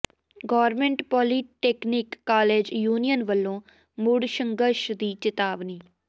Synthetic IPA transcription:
ɡɔːɾmẽɳʈpɔːliːʈeːkniːkːaːleːd͡ʒjuːnijənʋəlːõː | mʊɽʃəŋɡəʃd̪iːt͡ʃɪt̪aːʋniː

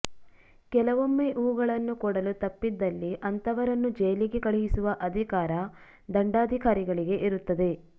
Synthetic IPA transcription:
kɛlɐʋomːeʔuːɡɐɭɐnːukɔɽɐlut̪ɐpːid̪ːɐlːiʔɐnt̪ɐʋɐɾɐnːud͡ʒejliɡe̞kɐɭiɡisuʋɐʔɐd̪ʱikaːɾɐ | d̪ɐɳɖaːd̪ʱikaːɾiɡɐɭiɡe̞ʔiɾut̪ːɐd̪e̞

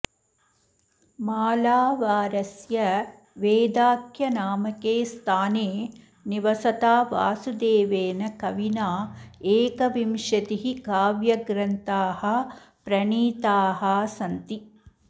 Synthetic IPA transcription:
maːlaːʋaːɾɐsjɐ | ʋeːd̪aːkjɐnaːmɐkeːst̪ʰaːneː | niʋɐsɐt̪aːʋa̰ːsud̪eːʋeːnɐkɐʋinaːeːkɐʋimʃɐt̪iɦikaːʋjɐɡɾɐnt̪aːhɐ | pɾɐɳiːt̪aːɦɐsɐnt̪i

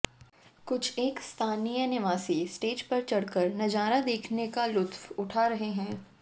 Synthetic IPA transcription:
kʊt͡ʃʰeːkst̪ʰaːnijənɪʋaːsisʈeːd͡ʒpɐɾt͡ʃɐɽkəɾnɐd͡ʒaːɾad̪eːkʰnekalʊt̪wʊʈʰaɾɐɦeɦɛ̃ː

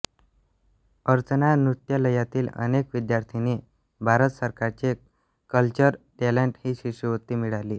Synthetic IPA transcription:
əɾt͡sənanɾut̪jələjat̪iːlə̰nekʋid̪jaɾt̪ʰiniː | bʱaɾət̪səɾkaɾt͡ɕe | kəlt͡ɕəɾʈeleɳʈhiːɕiɕiʋət̪ːiːmiɭaliː

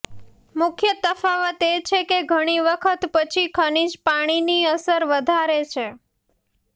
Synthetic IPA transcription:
mʊkʰjət̪əfaʋət̪et͡ʃʰekeɡʱəɽ̃iʋəkʰət̪pət͡ʃʰikʰəɳ̃id͡ʒpaɽ̃iniəsəɾʋəd̪ʱaɾet͡ʃʰe

